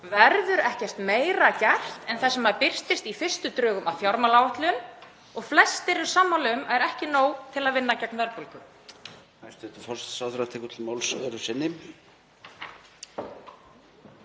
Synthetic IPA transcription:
vɛɾðʏɾɛhcɛst̪meːjɾacajr̥t̪ɛnθasɛmːapɪr̥st̪ɪst̪ifɪr̥st̪ʏt̪ɾʏːɣʏmaðθjɔɾmalaːwaht̪lɪʏn | ɔɣflɛst̪ɪɾɪmsaːmːawlɪʏmɛjɾɛhcɪnoːwt̪ʰɪlaðvɪnːacɛknvɛɾpʏlkʏ | hajst̪ɛt̪ʏfɔlssawθɾat̪ʰɪːkʏt̪ʰɪlmawlsœɾʏsɪnːɪ

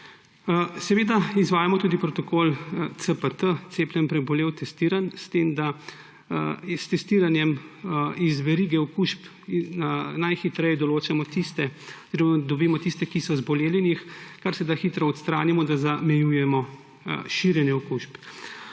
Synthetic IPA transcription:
sɛʋeːd̪aizʋaːjamɔt̪uːd̪ipɾɔt̪ɔkoːlt̪səpət̪ət̪seːpljɛnpɾɛbɔleːwt̪ɛst̪iːɾanst̪eːmd̪a | st̪ɛst̪iːɾanjɛm | izʋɛɾiɡɛɔkuʃp | inajxit̪ɾɛjɛd̪ɔloːt͡ʃamɔt̪ist̪ɛzɾed̪ɔbiːmɔt̪ist̪ɛkisɔzbɔleːljɛnixkaɾsɛd̪axiːt̪ɾɔɔt̪st̪ɾaːnimɔd̪azamɛjujɛmɔ | ʃiɾjɛnjɛɔkuʃp

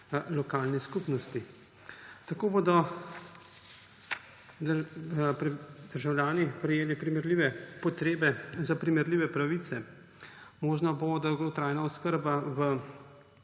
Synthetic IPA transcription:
lɔkaːlniskupnɔst̪i | t̪akoːbod̪ɔ | pɾɛd̪̥əɾʒawljaːnipɾɛjeːlipɾimɛɾliːʋɛpɔt̪ɾeːbɛzapɾimɛɾliːʋɛpɾaʋit̪sɛ | moːʒnabod̪aɡot̪ɾaːjnaɔskəɾbaʋə

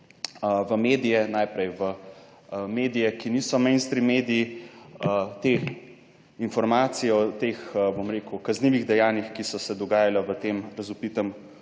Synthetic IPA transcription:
ʋəmeːd̪ijɛnajpɾɛjʋə | meːd̪ijɛkiniːsɔmɛjnst̪ɾimeːd̪ijiət̪e | infɔɾmaːt̪sijɛɔt̪eːxbomɾeːkukɐzniʋiɣd̪ɛjaːnjixkisɔsɛd̪ɔɡaːjalaʋət̪eːmɾɐzupit̪əm

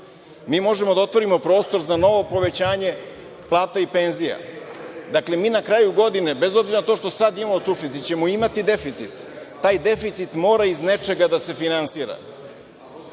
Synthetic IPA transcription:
miːmo̞ʒemod̪ao̞t̪ʋo̞ɾimo̞pɾo̞ːst̪o̞ɾzano̞ʋo̞po̞ʋe̞t͡ɕaːɲe̞ | plˠaːt̪aipe̞nzija̰d̪akle̞miːnakɾaːjuɡo̞d̪ine̞be̞zo̞bziɾanat̪o̞ːʃt̪o̞sad̪imamosufit̪it̪̚t͡ɕe̞moimat̪id̪e̞fit̪sit̪ː | aːjd̪e̞fit̪sit̪mo̞ːɾaizne̞t͡ʃe̞ɡad̪ase̞finansiːɾa̰

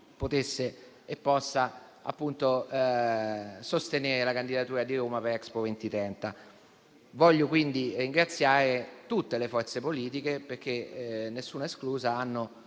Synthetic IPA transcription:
pot̪esːeː | pːɔsːa | a̰pːunt̪o | sost̪eneːɾelakand̪id̪at̪uːɾad̪iɾoːmapeɾɛkspovent̪it̪ɾɛnt̪a | vɔʎːokwind̪iriŋɡɾat̪sːjaːɾet̪ut̪ːelefɔrt̪sepoliːt̪ikeperk̟ːenːesːuːnaeskluːzaanːo

